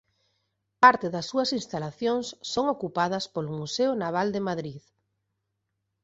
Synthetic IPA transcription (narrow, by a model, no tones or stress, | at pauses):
paɾt̪eðɐsːuɐsinst̪alaθjoŋsːoŋokupað̞ɐspolʊmuseʊnaβ̞ald̪emaðɾið